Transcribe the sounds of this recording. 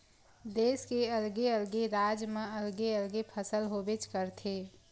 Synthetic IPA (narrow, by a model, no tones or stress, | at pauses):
d̪eːskeɐlɡeəlɡeɾaːd͡ʒmẽɐlɡeəlɡepʰəsəlɦobɪt͡ʃkəɾt̪ʰeː